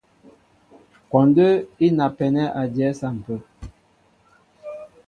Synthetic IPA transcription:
kɔ˨ndə˦i˦na˨pɛ˨nɛ˦ʔa˨djɛ˨˦sa˦˨m̩˨pə˦˨

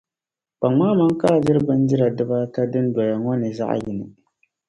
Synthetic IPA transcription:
k͡pa˨ŋmaː˦ma˦ŋ˦kaː˦˨dɪ˦ɾbɨ˦n˦dɪ˦ɾa˨dɨ˦ba˦ka˦dɨ˦n˦dɔ˨la˨ŋɔ˦nɨ˨za̰˦ʔjɪ˨nɨ˨

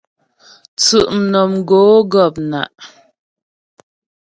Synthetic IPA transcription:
t͡sʉ˨ʔm̩˨nɔ˨mɡoː˨˦ɡɔ˦˨p̚na̰˨ʔ

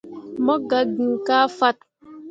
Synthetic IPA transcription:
mɔ˦ɡa˨ɡi˨ka˦fa˦t̚

